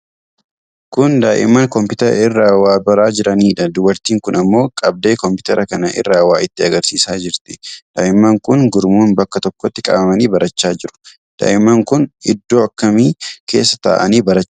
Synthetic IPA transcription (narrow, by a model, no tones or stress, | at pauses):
kʊnd̪aːʔɪ̰mːɐnkɔmpɪt̪ɐɾɐ̰ɪrːaːwaːbɐɾaːd͡ʒɪɾɐniːᶑɐd̪ʊbɐɾt̪iːŋkʊnɐmːo̞ːkʼɐb̚d̪eːkɔmpɪ̥t̪ɐɾɐkɐnɐʔɪ̰rːaːwaːɪt̪ːɪɐɡɐɾsiːsaːd͡ʒɪɾt̪ɪ̥d̪̥a̰ːʔɪmːɐŋkʊnɡʊɾmuːnbɐkːɐt̪ɔkːɔt̪ːɪkʼɐ̰bɐmɐniːbɐɾɐt͡ʃːaːd͡ʒɪɾʊ̥ | d̪̥a̰ːʔɪmːɐŋkʊnɪd̪ːoːɐkːɐmiːkʰe̞̰ːsːɐ̥t̪a̰ːʔɐ̰niːbɐɾɐt͡ʃː